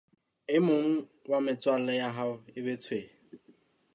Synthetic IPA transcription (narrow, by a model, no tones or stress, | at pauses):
ɪmʊŋ̩wamɪt͡swalɪjaɦaʊɪbetʰwe